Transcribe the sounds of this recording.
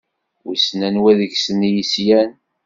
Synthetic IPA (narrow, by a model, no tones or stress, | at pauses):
wisnænwæðəçsənjisjæn